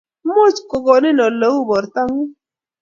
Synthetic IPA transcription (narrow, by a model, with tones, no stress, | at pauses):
mo˦t͡ʃko˨ɡɔ˨nɪ˦nɔ˨lə˨˦wu˦˨bɔ˨ɾta˦ŋi˦